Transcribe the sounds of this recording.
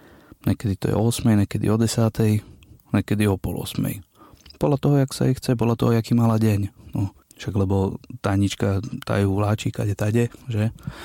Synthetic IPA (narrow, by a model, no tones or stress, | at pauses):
ɲɛkɛd̪it̪ɔ̰jɛ̰ɔɔsmɛjɲɛkɛd̪ḭɔd̪ɛsat̪ɛjɲɛkɛd̪iɔpɔ̰lɔ̰smɛ̰j | pɔd̪lat̪ɔɦɔjaksa̰ɛxt͡sɛpɔd̪lat̪ɔɦɔjakiːmalaɟɛɲnɔ | ʃaɡlɛbɔt̪aɲit͡ʃkat̪a̰juʋlaːt͡ʃika̰ɟɛt̪aɟɛʒɛ